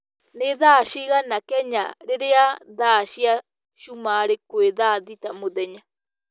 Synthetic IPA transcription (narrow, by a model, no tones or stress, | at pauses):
neðaʃiɣanakɛɲa̰ɾeɾeaðaɕja | ʃumaɾekweðaðitamoðɛɲa